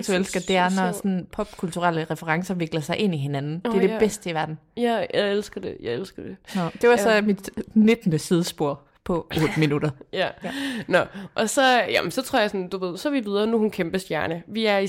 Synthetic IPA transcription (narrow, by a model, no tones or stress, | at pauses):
duelsɡ̥ɐd̥e̝æɐnɒsɒ̽npʰɒ̽b̥kʰult͡sʰuʁal̰əʁɛfəʁɑ̈ŋsɐʋe̝ɡ̥lɐsɑ̈ɪʔe̝n̰iɦe̝nænn̩d̥eɐɾe̝b̥esd̥əiʋæɐd̥n̩æjaɪelsɡ̥ɐd̥e̝jɑɪelsɡ̥ɐd̥enɒd̥e̝ʋɑ̈sɒ̽mid̥ned̥nəsið̞ˠsb̥o̝ɐ̰ | pʰɒ̽ʔo̽ːd̥əminud̥ɐjænɒʔɒ̽sɒ̽jæ̰mnsɒ̽t͡sʰʁɔɐ̰jsɒnd̥uʋe̝ð̞̰ˠsɒʋiʋið̞ˠɐnuhunkʰemb̥əsd̥jæɐnəʋiæɐi